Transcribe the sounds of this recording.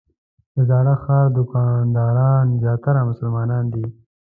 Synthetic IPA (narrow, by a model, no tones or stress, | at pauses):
d̪əzɑːɽaxɑɾd̪ʊkɑnd̪ɑːɾɑnzjɑːt̪aɾamʊsəlmɑnɑnd̪i